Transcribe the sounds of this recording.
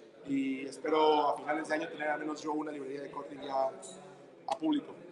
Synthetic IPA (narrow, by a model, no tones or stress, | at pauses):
iespeɾoafinalezðeaɲot̪eneɾalmẽnozʝounaliβɾeɾiaðekoɾt̪iʝa | a̰puβliko